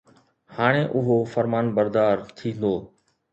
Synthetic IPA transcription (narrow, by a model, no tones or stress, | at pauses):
haːɽ̃eʔʊɦofəɾmaːnbəɾd̪aːɾt̪ʰĩːn̆d̪oː